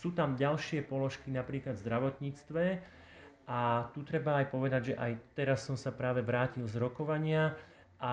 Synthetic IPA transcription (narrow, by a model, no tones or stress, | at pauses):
suːt̪amɟalʃɪɛpɔlɔʃkinapɾiːklad̪vzd̪ɾaʋɔt̪ɲiːt͡st̪ʋɛ | ʔat̪ut̪ɾɛbaːjpɔʋɛd̪aɟʒɛʔajt̪ɛɾasːɔmsapɾaːʋɛʋɾaːcilzɾɔkɔʋaɲɪa | ʔa